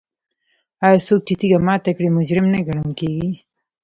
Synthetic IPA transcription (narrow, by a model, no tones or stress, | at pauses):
aːsoːk̚t͡ʃit̪ʰiɡɐmaːt̪ɐkɽimʊd͡ʑɾɪmneɡɐɽɐŋkeːɡi